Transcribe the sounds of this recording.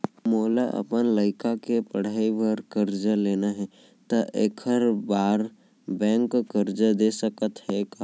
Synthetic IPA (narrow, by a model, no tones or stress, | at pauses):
moːlaʔə̰pənləɪkakepəɽ̤aːiʋəɾkəɾd͡ʒəleːnaɦɛ | t̪əʔekʰəɾbaːɾ | bɛ̃ːŋkkəɾd͡ʒəd̪esəkət̪ɦɛka